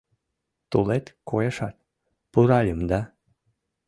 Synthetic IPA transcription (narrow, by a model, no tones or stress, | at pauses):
t̪ulet̪kojeʃɑt̪̚ | puɾɑlʲəmd̪ɑ